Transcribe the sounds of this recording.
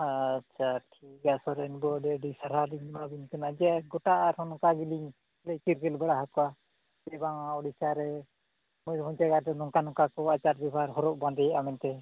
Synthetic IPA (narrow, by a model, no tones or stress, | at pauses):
at͡ʃʰaʈʰikasɔɾɛnbɔɖɛɖisaɾaliɲmabiɲkanad͡ʒɛaɡɔʈaʔaɾhɔnɔkaɡiliɲ | lɛkiɾɡɛlbɛɽaɦakɔwa | bɛbaŋaɔɽisaɾɛ | mɔjmɔɲd͡ʒaɡaɾɾɛnɔŋkanɔkakɔat͡ʃaɾbɛbʱaɾɦɔɾɔʔ̚band̪ɛjaʔamɛnt̪ɛ